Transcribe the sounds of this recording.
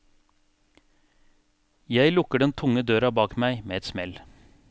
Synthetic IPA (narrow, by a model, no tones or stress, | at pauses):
jæɪlʊkəɖɛnt̪ʰʊŋəd̪øːɾɑbɑːkmæɪmeːɛt̪smɛl